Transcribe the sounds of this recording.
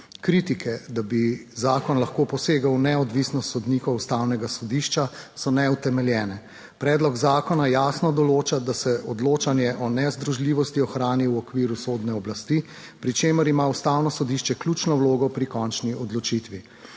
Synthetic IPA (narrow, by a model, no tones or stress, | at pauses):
kɾit̪ikʰɛd̪abizaːkɔnlaxkoːpɔseːɡawnɛɔd̪ʋisnɔst̪sɔd̪nikɔust̪awnɛɡasɔd̪iʃt͡ʃasɔnɛut̪ɛmɛljɛːnɛ | pɾɛːd̪lɔɡzaːkɔnajaːsnɔd̪ɔloːt͡ʃad̪asɛʔɔd̪loːt͡ʃanjɛʔɔnɛzd̪ɾuʒliːʋɔst̪iɔxɾaːniwɔkʋiːɾusod̪nɛɔblast̪i | pɾit͡ʃeməɾimaust̪awnɔsɔd̪iʃt͡ʃɛkljut͡ʃnɔwloːɡɔpɾikɔnt͡ʃniʔɔd̪lɔt͡ʃit̪ʋi